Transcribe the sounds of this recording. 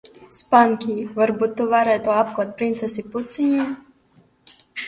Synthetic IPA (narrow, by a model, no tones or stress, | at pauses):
spaŋkʲiːvaɾbut̪ːuvaɾɛːt̪uap̚kuɔt̪̚pɾint̪sɛsiput̪siɲu